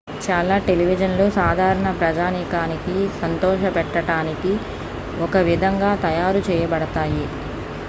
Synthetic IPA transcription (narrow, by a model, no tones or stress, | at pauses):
t͡ʃaːlaːʈeliʋid͡ʒɐnloːsaːd̪ʱaːɾɐɳɐpɾɐd͡ʒaːnikaːnikisɐnt̪ɔːʃɐpɛʈːɐʈaːniki | ɔkɐʋid̪ʱɐŋɡaːt̪ɐjaːɾut͡ʃɛːjɐbɐɽɐt̪aːji